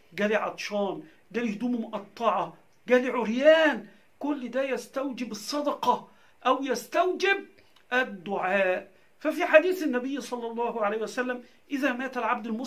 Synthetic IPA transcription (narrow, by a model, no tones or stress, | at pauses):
ɡæːliʕɑ̰t̪ˤʃɑːn | ɡæːlihd̪uːmmʊʔɑt̪ˤːɑʕɑ | ɡæːliʕʊɾjæːn | kʊlːd̪æjæst̪æwd͡ʒɪbɪsˤːɑd̪ɑqɑ | ʔæwjæst̪æwd͡ʒɪb̚ | ʔæd̪ːʊʕaːʔ | fæfiːħad̪iːθɪnːæbɪjːsˤɑlːɑlˤːɑːhʕalejhiwæsælːæm | ʔɪðæmæːt̪ælʕab̚d̪ɪlmʊ